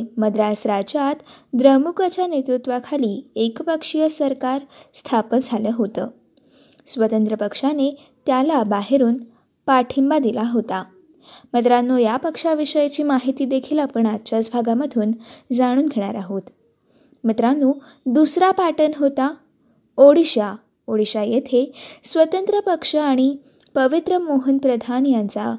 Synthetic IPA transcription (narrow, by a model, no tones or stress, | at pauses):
məd̪ɾasɾad͡ʑat̪d̪ɾəmukat͡ɕanet̪ɾut̪ʋakʰaliːekpəkʂijəsəɾkaɾst̪ʰapənd͡zʱaləɦot̪ə̰ː | sʋət̪ənt̪ɾəpəkʂane | t̪jalabaɦeɾuːn | paʈʰimbad̪ilaɦot̪a | mət̪ɾanːujapəkʂaʋiʂəjat͡ɕiːmaɦit̪iːd̪ekʰilapəɳatːt͡ɕat͡sbʱaɡaməd̪ʱuːnd͡zaɽ̃uːnɡʱeɽ̃aɾaɦuːt̪ | mət̪ɾanːuː | d̪usɾapaʈənɦot̪a | oɽiɕa | oɽiɕajet̪ʰesʋət̪ənt̪ɾəpəkʂəaɽ̃i | pəʋit̪ɾəmoɦənpɾəd̪ʱanjant͡sa̰